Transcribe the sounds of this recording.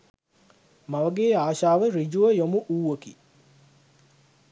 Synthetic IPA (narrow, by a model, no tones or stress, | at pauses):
maʋəɡeːaːʃaːʋərid͡ʒuʋəjomuʔuːʋəki